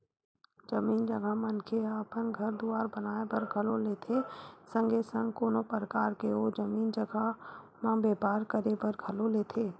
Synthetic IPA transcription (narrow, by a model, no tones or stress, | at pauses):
d͡ʒəmiːnd͡ʒɐɡamə̃nkʰeaːpənɡʱɐɾbd̪uaːɾbɐnaːebəɾɡʱɐloleːt̪ʰesə̃ŋɡesə̃ŋɡkoːnopəɾəkaːɾkeoːd͡ʒəmiːnd͡ʒɐɡa | mãbeːpaːɾkəɾebəɾɡʱɐloleːt̪ʰeː